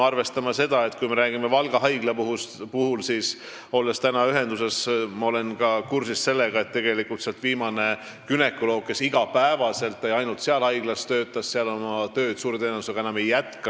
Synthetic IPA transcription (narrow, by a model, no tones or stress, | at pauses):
ɑrve̞st̪ɑmɑse̞d̪̥ɑe̞t̪ːkujme̞ɾæːɡ̥imevɑlɡ̥ɑɦɑjɡ̥lepuhpuhulsis | o̞lːest̪ænɑyɦe̞nd̪use̞smɑo̞lenkɑkursisse̞lːeɡ̥ɑe̞t̪ːe̞ɡ̥e̞likːˑult̪seɑlt̪viːmɑne̞ | kyne̞kːˑulo̞ːk̚kːe̞siɡ̥ɑpæevɑse̞lt̪ːˑejɑjnult̪seɑlhɑjɡ̥lɑst̪ø̞ːt̪ːˑɑsseɑlo̞mɑt̪ø̞ːd̪̥suːɾet̪eːnevuseɡɑenɑme̞jːæt̪kɑ